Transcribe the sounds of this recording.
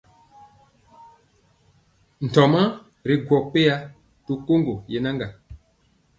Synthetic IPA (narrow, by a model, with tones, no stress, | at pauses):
n̩˨tɔ˨ma˦ | ɾi˨ɡwɔ˨k͡pe˦ja˦ | tu˦ko˦ŋɡo˨je˨na˦ŋɡa˨